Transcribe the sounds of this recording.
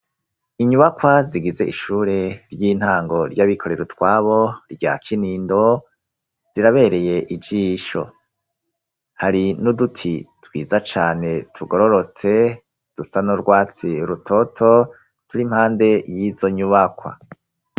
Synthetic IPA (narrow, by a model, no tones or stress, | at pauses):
iɲuβakwaziɡize̞ʔiʃuːɾe̞ɾɟiːn̥haːŋɡo̞ɾɟaβikʰo̞ɾe̞ɾutwaːβo̞ɾɟa̰ːkʰiniːndo̞ | z̥iɾaβe̞ɾe̞je̞ʔid͡ʒiːʃo̞̰ | haɾinudutʰitwiːzat͡ʃaːne̞tʰuɡoɾo̞ɾo̞t͡se̞ | d̥usanoɾɡwaːt͡siɾutʰo̞tʰo | tuɾim̥haːnde̞jizo̞ɲuβakwa̰